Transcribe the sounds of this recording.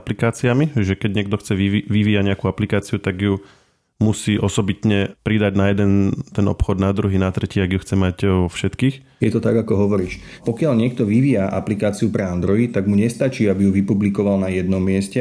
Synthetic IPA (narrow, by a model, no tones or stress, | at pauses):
aplikaːt͡siamiʒɛkɛɟɲɪɛɡ̚d̪ɔxt͡sɛiʋiʋiːaɲɛakuːaplikaːt͡siut̪aɡju | musiːʔɔsɔbit̪ɲɛpɾid̪aɟnajɛd̪ɛnt̪ɛnɔ̰pxɔd̪nad̪ɾuɦinat̪ɾɛciːaɡjuxt͡sɛmaɟʋɔfʃɛt̪kiːx | jɛt̪ɔt̪aɡakɔɦɔʋɔɾiːʃpɔkɪalɲɪɛk̚t̪ɔʋiʋiːjaʔa̰plikaːt͡siupɾɛand̪ɾɔjit̪aɡmuɲɛst̪at͡ʃiːabijuʋipublikɔʋalnajɛd̪nɔmːɪɛscɛ